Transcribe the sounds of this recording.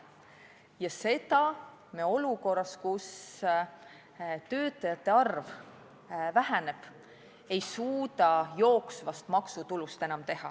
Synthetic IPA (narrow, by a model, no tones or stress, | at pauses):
jɑse̞d̪̥ɑ | meo̞luko̞rːɑskus | t̪ø̞ːt̪ːˑɑjɑt̪ːˑe̞ɑrv | væɦæne̞b̥ | e̞jsuːd̪ɑjo̞ːksvɑst̪mɑksut̪ulust̪e̞nɑmt̪e̞hɑ̰